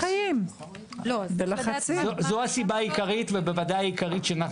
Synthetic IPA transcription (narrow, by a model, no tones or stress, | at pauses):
ajim | belaχat͡siozoasibaːjikaʁitvebevadajikaʁitʃeanaχ